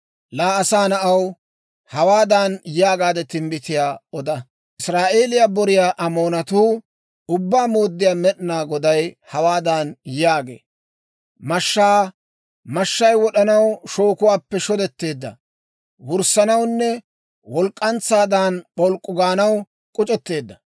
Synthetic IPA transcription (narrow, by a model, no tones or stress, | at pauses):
laːɐsaːnɐʔɐw | hɐwaːd̪ɐnjaːɡaːd̪ɛt̪ɪmbɪt̪ɪjaːɔd̪ɐ | ɪsɾaːʔe̞ːlɪjaːbɔɾɪjaːʔɐmo̞ːnɐt̪uː | ʊbːaːmoːd̪ːɪjaːmɛɗɪnaːɡɔd̪ɐjhɐwaːd̪ɐnjaːɡḛː | mɐʃːaː | mɐʃːɐjwɔɗɐnɐwʃoːkʊwaːpːɛʃɔd̪ɛt̪ːe̞ːd̪ːɐ̰ | wʊɾsɐnɐwnːɛ | wɔlkʼːɐnt͡sːaːd̪anɓɔlkʼːʊɡaːnɐw | kʼʊt͡ʃʼɛt̪ːe̞ːd̪ːɐ